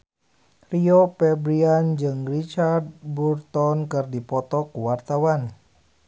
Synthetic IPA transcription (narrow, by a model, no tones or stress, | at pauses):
riopɛbɾiand͡ʒɨŋrit͡ʃard̪̚burt̪ɔnkɨrdipɔt̪ɔkuwart̪awan